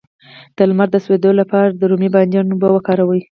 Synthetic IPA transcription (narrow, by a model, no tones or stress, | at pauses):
d̪̥əlmaɾd̪əswed̪olapɑɾad̪əɾumibɑnd̪jɑnobawəkɑɾawəj